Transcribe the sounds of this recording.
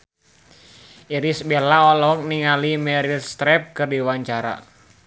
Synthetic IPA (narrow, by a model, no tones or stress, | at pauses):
iɾisbɛlaɔlɔk̚niŋalimɛɾilst̪ɾɛp̚kɨrdiwaɲt͡ʃaɾa̰